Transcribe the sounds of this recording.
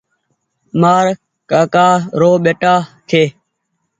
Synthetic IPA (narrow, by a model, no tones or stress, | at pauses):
maːɾ | kaːkaːɾoːɓeːʈaːkʰeː